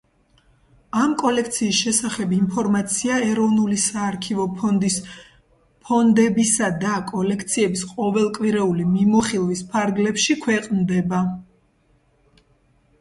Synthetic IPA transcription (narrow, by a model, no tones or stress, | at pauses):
amkʼɔlɛk̚ʰt̪sʰiːsʃɛsaχɛbimpʰɔɾmat̪sʰiaɛɾɔvnulisaːɾkʰivɔnd̪i | pʰɔnd̪ɛbisad̪akʼɔlɛkʰt̪sʰiɛbisqʼɔvɛlˠkʼwiɾɛulimimɔχilˠvispʰaɾɡlɛpʃikʰwɛqʼnd̪ɛba